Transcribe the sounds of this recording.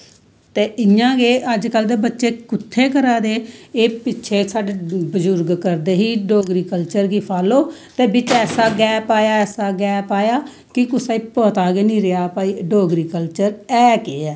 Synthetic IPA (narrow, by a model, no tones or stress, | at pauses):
t̪eːɪjãːɡeːʔəd͡ʒkəld̪eːbətːʃeːkʊt̪ʰːeːkəɾaːd̪eːeːpɪtːʃʰeːsaːɖeːbəd͡ʒʊɾɡkəɾd̪eːɦiːɖoːɡɾiːkəlt͡ʃəɾɡiːpʰaːloːt̪eːbɪt͡ʃɛːsaːɡɛːpaːjaːɛːsaːɡɛːpaːjaː | kɪkʊsaːiːpoːt̪aːɡeːnĩːɾɪaːpaːiːɖoːɡɾiːkəlt͡ʃəɾɛːkeːɛː